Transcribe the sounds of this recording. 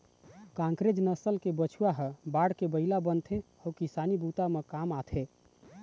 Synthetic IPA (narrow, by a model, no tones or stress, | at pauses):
kãŋkɾed͡ʒnəsəlkebət͡ʃʰuwaɦəbaɽkebəilabənt̪ʰe | ɔwkisanibut̪amekamat̪ʰe